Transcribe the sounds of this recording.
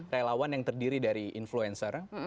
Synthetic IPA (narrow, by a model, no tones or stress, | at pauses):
relawanjaŋt̪ərdiɾidaɾiʔinfluɛnsər